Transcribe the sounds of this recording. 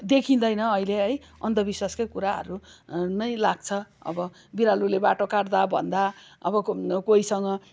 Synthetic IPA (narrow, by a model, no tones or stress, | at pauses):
d̪ekʰind̪ʌjnʌːileɦʌj | ʌnd̪ʌbiswaskʌjkuɾaɦʌ̰ɾunʌjlaɡt͡sʰʌʌ̰bʌ | biɾalulebaʈokaɽd̪abʱʌ̰nd̪aʌ̰bʌkoisʌŋɡʌ